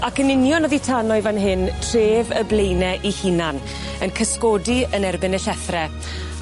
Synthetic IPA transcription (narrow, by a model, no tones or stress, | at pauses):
akənɪnjɔnɔðitʰanɔɨvanɦɪntʰr̥eːvəblejnɛʔihinan | ənkʰəskɔdiənɛrbɪnəɬɛθrɛ